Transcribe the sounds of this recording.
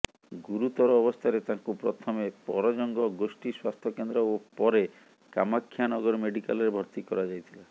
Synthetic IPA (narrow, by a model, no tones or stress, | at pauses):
ɡuɾut̪ɔɾɔːbɔst̪ʰaɾet̪ãŋkupɾɔt̪ʰɔmepɔ̰ɾɔd͡ʒɔŋɡɔɡosʈiswast̪ʰɔkend̪ɾɔopɔɾe | kamakʰːjanɔɡɔɾɔmeɖika̰lɔɾebʱɔɾt̪ikɔɾad͡ʒajt̪ʰila